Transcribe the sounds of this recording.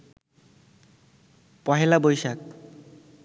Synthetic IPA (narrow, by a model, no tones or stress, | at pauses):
pɔɦelabojsak̚